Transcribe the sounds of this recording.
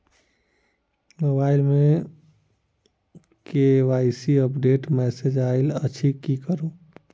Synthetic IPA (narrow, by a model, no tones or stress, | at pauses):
mobaːɪlmẽ | keʋaːɪsiəpɖeːʈmɛːsed͡ʒaɪlət͡ʃʰikikəɾũ